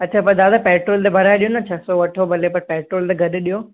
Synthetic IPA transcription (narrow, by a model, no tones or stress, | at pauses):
ɐtːt͡ɕʰapɐɾd̪aːd̪apɛːʈɾoːlt̪ebʱɐɾaːeɗijonɐt͡ɕʰɐsoʋɐʈʰobʱɐlepɐɾpɛːʈɾoːlt̪eɡʱɐɗ̪ɪɗijoː